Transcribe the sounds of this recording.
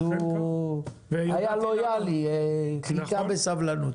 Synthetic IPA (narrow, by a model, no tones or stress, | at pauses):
u | aialojaliɛikabesavlanu